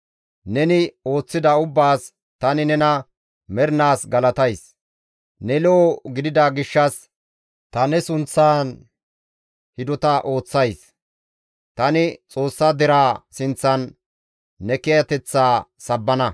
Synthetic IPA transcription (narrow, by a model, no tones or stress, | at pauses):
nɛnɪo̞ːt͡sːɪd̪ɐʊbːaːs | t̪ɐnɪnɛnɐ | mɛɾnaːsɡɐlɐt̪ɐjs | nɛlɔːɡɪd̪ɪd̪aɡɪʃːɐs | t̪ɐnɛsʊnt͡sːaːn | hɪd̪ɔt̪ɐʔo̞ːt͡sːɐjs | t̪ɐnɪt͡sʼo̞ːsːad̪ɪɾaːsɪnt͡sːɐnː | ɛkɛjɐt̪ɛt͡sːaːsɐbːɐnɐ